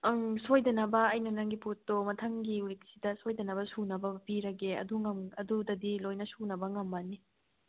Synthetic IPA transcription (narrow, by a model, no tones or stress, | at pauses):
sojdɐnɐbɐːjnɐnɐŋɡiputːomɐtʰɐŋɡiuɾik̚si̥dɐsojdɐnɐbɐsunɐbɐpiɾɐɡeɐ̰duŋɐmɐdudɐdilojnɐsunɐbɐŋɐmbani